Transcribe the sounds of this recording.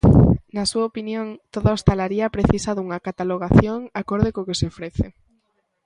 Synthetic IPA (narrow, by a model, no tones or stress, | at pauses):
nasuaopinjoŋt̪oðaost̪alaɾiɐpɾeθisɐðuŋɐkat̪aloɣ̞aθjoŋakoɾðekokeseofɾeθe